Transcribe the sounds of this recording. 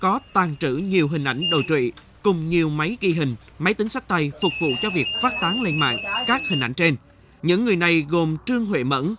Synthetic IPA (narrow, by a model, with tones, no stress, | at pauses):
kɔ˨˦t̪aː˨˩nt͡ɕɨ̰˧˩ɲi˨˩əwɦï˨˩ŋ̟ʔa˧˩jŋ̟ɗo̰˨˩jt͡ɕwḭ˧˨ | kʊ˨˩ŋ͡mɲi˨˩əwma˨˦jɣi˧ɦï˨˩ŋ̟ | ma˨˦jt̪ï˨˦ŋ̟sa˦˥k̚t̪a˧jfʊ˨˩k͡p̚vṵ˧˨t͡ɕɔ˧vi˨˩ək̚faː˦˥t̚t̪aː˨˦ŋle˧nma̰ː˧˨ŋkaː˦˥k̚hï˨˩ŋ̟ʔa̰˧˩jŋ̟t͡ɕe˧n | ɲɨ̰˧˥ŋːɨ˨˩əjna˨˩jɣo˨˩mt͡ɕɨ˧əŋɦwḛ˧˨mə̰˧˥n